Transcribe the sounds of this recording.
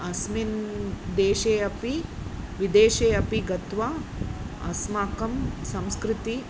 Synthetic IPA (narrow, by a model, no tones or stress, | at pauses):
ɐsmind̪eːʃeːɐpiʋid̪eːʃeːɐpiɡɐt̪ʋa | ɐ̰smaːkɐmsɐ̃mskɾɪt̪i